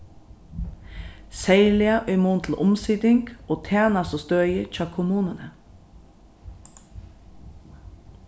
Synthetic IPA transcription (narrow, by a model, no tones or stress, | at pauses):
sæɪlɪɑʔœʏmuːnt̪ʰl̩ʔʊmsʏd̪ɪŋɡoːt̪ʰæːnɑsoːst̪øːʏəc͡çɑːkʰʊmuːnənə